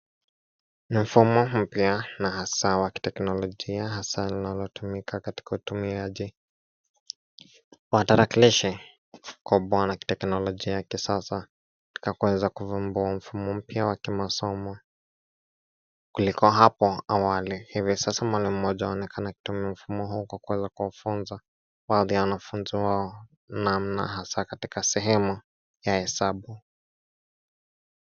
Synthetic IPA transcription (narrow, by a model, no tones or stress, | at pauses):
nim̩fumɔm̩pjanahasawaki̥tɛknɔlɔʄiaɦasalinalɔtumikʰakati̥kautumiaʄi | wataɾakiliʃɛ | kɔɓanaki̥tɛknɔlɔʄiajakisasa | ti̥kakuɛzakuvumbuaɱ̩fumɔm̩pjawakimasɔmɔ | kulikɔɦapɔawalihivisasamwalim̩mɔʄaaɔnɛkʰanaki̥tumiam̩fumɔɦuːkwakuwɛzakuafunza | baːðijawanafunziwaɔ | nam̩na̰ɦasakatikasɛɦɛmu | jahɛsaɓu